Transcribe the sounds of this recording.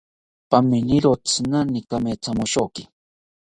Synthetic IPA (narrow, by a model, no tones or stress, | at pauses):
pamɪniɾot͡snanɪkameːt͡samʊʃokɪ̥